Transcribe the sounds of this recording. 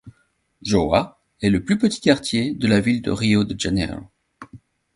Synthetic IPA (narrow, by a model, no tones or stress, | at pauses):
ʒoa | ɛləplypət̪i̥kaʁt̪jed̪əlavild̪ə̰ʁiod̪əd͡ʒanɛ̰l